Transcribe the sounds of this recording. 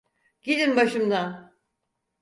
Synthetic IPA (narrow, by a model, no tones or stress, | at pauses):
ɟ̥id̪inbaʃɯmd̪an